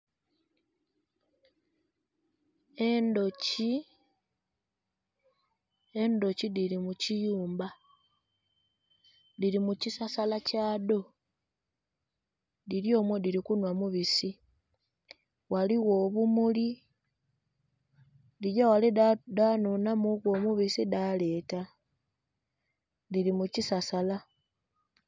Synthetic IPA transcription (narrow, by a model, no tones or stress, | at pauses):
endoci | e̞ndo̞cidiɾimucijuːmba | diɾimucisasalacaːdo̞ | diɾjo̞ːmwo̞diɾikunwamuβisi | waliwo̞ːβumuli | diɟawalidanunamuɣwo̞muβisidale̞ːta | diɾimucisasala